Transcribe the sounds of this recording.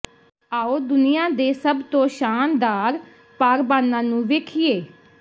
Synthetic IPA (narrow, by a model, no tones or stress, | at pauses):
aːoːd̪ʊnɪjãːd̪eːsəbt̪õːʃaːnd̪aːɾ | paːɾbaːnːãːnũːʋeːkʰɪeː